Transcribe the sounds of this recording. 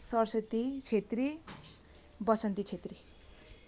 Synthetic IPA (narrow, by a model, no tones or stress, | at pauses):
sʌrsʌt̪it͡sʰet̪ri | bʌsʌnt̪it͡sʰet̪ri